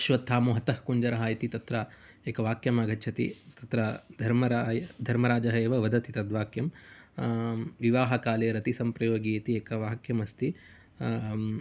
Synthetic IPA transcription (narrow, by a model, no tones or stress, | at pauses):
ɐʃʋɐt̪ʰːaːmuɦɐt̪ɐhkuɲd͡ʒɐɾɐɦaːjɐt̪it̪ɐt̪ɾɐ | eːkɐʋaːkjɐmaːɡɐtːt͡ʃʰɐt̪ḭt̪ɐt̪ɾɐd̪ʱɐɾmɐɾajɐd̪ʱɐɾmɐɾaːd͡ʒɐɦɐeːʋɐʋɐd̪ɐt̪it̪ɐd̪ʋaːkjɐm | ʋiʋaːɦɐkaːleːɾɐt̪isɐmpɾɐjoːɡiːt̪ieːkɐʋaːkjɐmɐst̪i